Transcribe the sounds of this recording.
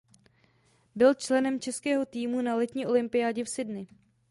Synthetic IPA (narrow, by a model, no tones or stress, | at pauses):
bɪlt͡ʃlɛnɛmt͡ʃɛskɛːɦo̞t̪iːmunalɛt̪ɲiːʔo̞lɪmpɪjaːɟɛfsɪdnɪ